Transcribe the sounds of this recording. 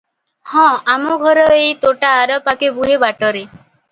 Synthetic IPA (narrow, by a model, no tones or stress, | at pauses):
hɔ̃amɔɡʱɔɾɔejt̪oʈaːɾɔpakebuɦebaʈɔɾe